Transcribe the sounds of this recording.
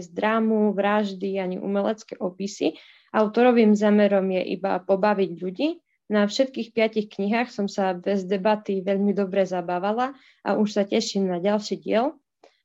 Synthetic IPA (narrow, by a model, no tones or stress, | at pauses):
zd̪ɾaːmuʋɾaʒd̪iaɲḭʔṵmɛlɛt͡skɛʔɔpisi | ʔaʊt̪ɔɾɔʋiːmzaːmɛɾɔmjɛʔḭba̰pɔbaʋiɟʎuɟiː | nafʃɛt̪̚kiːxpɪacixkɲiɦaːxsɔmsabɛzd̪ɛbat̪iʋɛʎmid̪ɔbɾɛzabaːʋala | ʔa̰ʔuʃsacɛʃimnaɟalʃiɟɪɛl